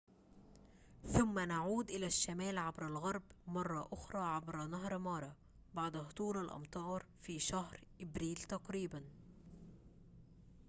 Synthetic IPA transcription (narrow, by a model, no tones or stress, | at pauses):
θʊmːænaʕuːd̪ʔɪlæʃːamæːlʕabɾælɣɑɾˤbmɑrˤːɑʔʊxɾˤɑːʕabɾænaɦɾˤmɑɾˤɑ | baʕd̪ht̪ˤuːɾalʔɑ̰mt̪ˤɑːɾˤfiːʃahɾʔɪbɾiːlt̪ɑqɾiːban